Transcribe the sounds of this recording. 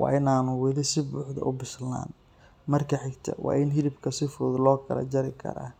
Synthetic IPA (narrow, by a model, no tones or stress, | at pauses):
wɑ̰ːɪnaːnʊwɪlɪsɪbuːħd̪ɐ̰ʔʊbɪsla̰ːn | mɐrkʰɐħɪɡt̪ʰɐ̰wʔɑ̰ːɪnɦɪlɪbkʰɐsɪfɔːðlɔːkʰɐ̰lɐ̰d͡ʒɐɾɪkʰɐ̰ɾa̰ː